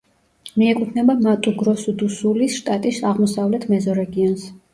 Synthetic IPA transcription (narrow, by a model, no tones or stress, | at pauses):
miɛkʼut̪ʰnɛbamat̪ʼuɡɾɔsud̪usulisʃt̪ʼat̪ʼisaʁmɔsavlɛt̪ʰmɛzɔɾɛɡiɔns